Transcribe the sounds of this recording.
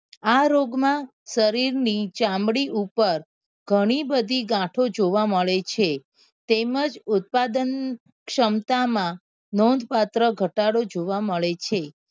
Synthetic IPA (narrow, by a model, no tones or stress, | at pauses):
aɾoɡmã | səɾiɾnit͡ʃãmɽiʔupəɾ | ɡʱəɽ̃ibəd̪ʱiɡãʈʰod͡ʒoʋaməɭet͡ʃʰe | t̪eməd͡ʒʊt̪̚pad̪ən | kʃəmt̪amã | nɔ̃nd̪pat̪ɾəɡʱəʈaɽod͡ʒoʋaməɭet͡ʃʰe